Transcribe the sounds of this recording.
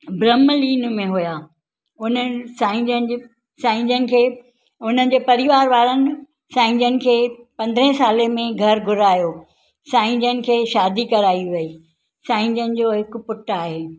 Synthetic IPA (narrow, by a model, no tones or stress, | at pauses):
bɾəmliːnmẽɦujaː | ʊn̤ə̆saːɪ̃d͡ʑənd͡ʑ | sãːɪ̃ɲd͡ʑənɪ̆kʰeː | ʊn̤ənɪ̆d͡ʑeːpɐɾɪʋaːɾʋaːɾənɪ̆ | sãːɪ̃ɲd͡ʑənɪ̆kʰeːpɐ̃nd̪ɾə̃ɦɪ̃saːlemẽɡʱɐɾɡʱʊɾaːjoː | sãːɪ̃ɲd͡ʑənɪ̆kʰeːʃaːd̪ikɐɾaːiʋɐiː | sãːɪ̃ɲd͡ʑənɪ̆d͡ʑoːɦɪk̆pʊʈaːɦeː